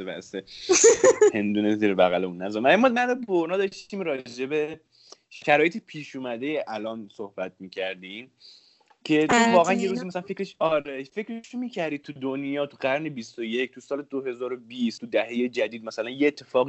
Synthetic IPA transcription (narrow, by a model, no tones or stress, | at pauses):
ebæ̰ʔse | pʰhe̞nd̪uːneziːɾebæɣæleunːnæzɔnmæimɔmæloboɾnɒːd̪ɒʃt̪iːmɾɒːd͡ʒe̞be | ʃæɾɒːjet̪ʰipʰiːʃuːmæd̪ejeʔælɒːnsohbæt̪̚ʰmiːcʰæɾd̪im | cʰe̞t̪ʰovɒːɣæænjeɾuːziːmæsælænfekɾeʃɒɾefe̞cɾeʃomiːcʰæɾd̪id̪̚t̪ʰud̪onjɒːt̪ʰuɢæɾnebist̪oje̞cʰt̪ʰusɒːled̪oɦe̞zɒːɾo̞bist̪ʰud̪æɦe̞jed͡ʒæd̪iːd̪mæsælænjeːt̪ʰːe̞fɒːɣi